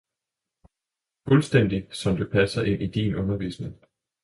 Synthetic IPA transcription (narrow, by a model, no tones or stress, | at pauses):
fɔlsd̥en̰d̥isɒ̽md̥e̝pʰæsɐʔe̝nʔid̥inʔɔ̽nɐʋḭːsne̝ŋ